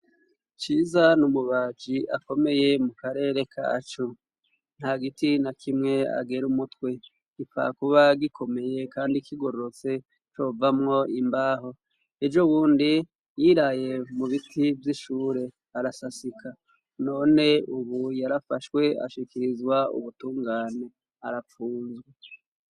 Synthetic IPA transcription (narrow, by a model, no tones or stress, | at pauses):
t͡ʃiːzanumuβaːd͡ʒiʔako̞me̞je̞mukaɾe̞ːɾe̞kʰa̰t͡ʃo | n̥haɡitinakʰimŋe̞a̰ɡe̞ɾumutwe̞ | ɡ̥ifa̰kuβaɡikʰo̞me̞je̞kaːndikiɡo̞ɾoɾot͡se̞ | t͡ʃo̞vamŋo̞imbaːɦo̞ | ed͡ʒoβuːndi | jiːɾaje̞muβitʰivjiʃuːɾe̞ | aɾasasikʰa | no̞ːne̞uβujaɾafaʃwe̞a̰ʃikiɾizwaṵβutuːŋɡaːne̞ | aɾafuːnzɡwe